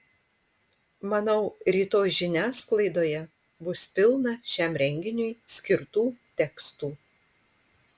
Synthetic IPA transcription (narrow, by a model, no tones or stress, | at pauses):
mɐnɐʊɾʲiːt̪oːjʒʲɪnʲæːsklˠɐɪd̪oːjɛ | bʊspʲɪlˠnɐʃʲæmɾʲɛŋʲɡʲɪnʲʊjsʲkʲɪɾt̪uːt̪ʲɛkst̪uː